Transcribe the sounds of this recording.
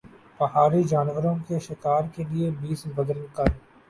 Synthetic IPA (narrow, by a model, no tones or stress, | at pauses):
pɐɦaːɾid͡ʒaːnʋəɾõkeʃɪkaːɾkeliebiːsbɐd̪əɾnkɐɾ